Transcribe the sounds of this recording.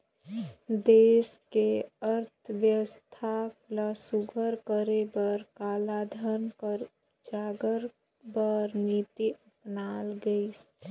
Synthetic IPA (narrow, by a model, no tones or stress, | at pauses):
d̪eːskeəɾt̪ʰʋjəwəst̪ʰaklasuɡʱəɾkəɾebəɾkaːlad̪ʱənkəɾ | d͡ʒaːɡəɾ | bəɾnit̪iʔəpnaːlɡəis